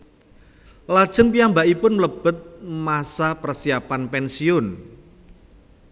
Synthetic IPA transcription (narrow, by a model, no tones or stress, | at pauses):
lad̥ʒ̥əŋpijambaʔipʊnləb̥ət̪̚masapərsiapanpɛnsiʊn